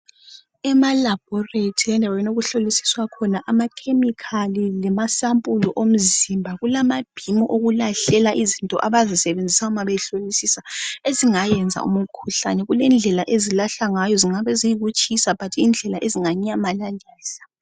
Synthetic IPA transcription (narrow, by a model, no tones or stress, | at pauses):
ɛmalab̥ʱɔretʰiɛndʱawenoɣuɬolisi̥swakʰɔnaʔamakʰemikʰalilɛmasampʼuluʔom̩zimbʱaɣulamab̥ʱimɔʔoɣulaɬɛlaʔizintʼɔ̰ʔaβazisɛβend͡zʱisaumaβɛɬolisisaeziŋajɛnd͡zʱa̰ṵmukʰuɬa̰nɛɣulɛnd͡ɮʱɛlaʔezilaɬaŋajɔziŋaβɛzijiɣut͡ʃʼisapatʰiind͡ɮʱɛlaʔeziŋaɲɛamalalɛːsḁ